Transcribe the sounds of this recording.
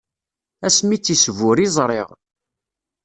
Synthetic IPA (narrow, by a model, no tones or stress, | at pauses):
æsmit͡sːisvʊɾizˤɾˤḛʁ